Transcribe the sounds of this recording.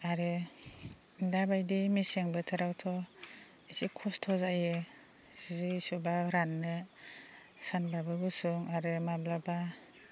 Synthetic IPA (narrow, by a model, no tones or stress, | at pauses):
aɾɯ | dabajdimiseŋbɯtʰɯɾawtʰɔ | isikʰɔstʰɔzajɯ | sizisubaɾanːɯ | sanbabɯbɯsuŋaɾɯmablaba